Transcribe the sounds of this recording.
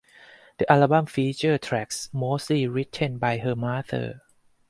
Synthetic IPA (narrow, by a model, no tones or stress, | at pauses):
d̪̥əʔalaːbamfiːt͡ɕəːt̪ʰɾɛk̚smoːsliːɾit̪ʰenbajɦɤːmaːt̪ʰɤ̰ː